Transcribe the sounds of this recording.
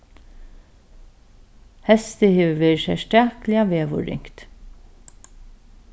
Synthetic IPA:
hɛst̪əheːʋəʋeːɹʃæʃtæːklɪaʋeːʋʊ̰ɹɪ̰ŋkt̪

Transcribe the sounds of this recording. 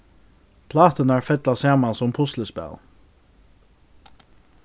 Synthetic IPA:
pʰlɑːt̪ənæːɹfɛd̪̥ɑːsæːmɑnsɔmpʰʊsləspæ̰l

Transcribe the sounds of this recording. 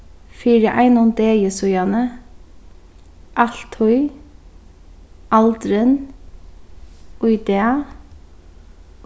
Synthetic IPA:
fiːɾəʔæɪnʊnd̪eːjəsʉjɑnə | ʔɑɬt̪hɔʏ | ʔɑld̪ɾən | ʔʊʏd̪eːɑ

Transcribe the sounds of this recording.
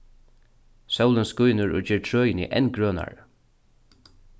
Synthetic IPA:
sœwlənskʊjnʊɹɔ̰d͡ʒɛːɹtʰɹœːjnḭʔɛnkɹœːna̰ɹ

